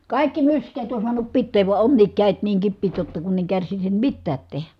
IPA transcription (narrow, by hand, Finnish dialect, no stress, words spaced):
kɑˑikːi myskˑeːt on suɑnup pitːeːʋ ʋuɑ onːiːk kæˑet niːŋ kipːiːt jotːɑ kunː eŋ kærsisim mitːæːt tehæ